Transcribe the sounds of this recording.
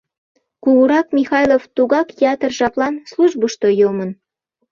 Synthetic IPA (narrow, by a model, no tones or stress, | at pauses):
kuɣuɾɑkmʲixɑjloft̪uɣɑkjɑt̪ərʒɑplˠɑnsluʒbəʃt̪ojomən